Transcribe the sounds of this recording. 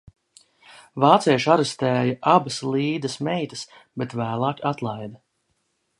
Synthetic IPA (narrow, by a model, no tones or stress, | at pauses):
vaːt̪sɛjɛʃaɾɛst̪æːjaʔabɐslˠiːd̪ɐsmɛjt̪ə̥s | bet̪væːlˠaːkat̪lˠajd̪ɐ